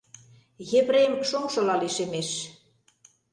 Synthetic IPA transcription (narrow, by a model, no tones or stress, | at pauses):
jeβrejmʃoŋʃɤ̆lɑliʃemeʃ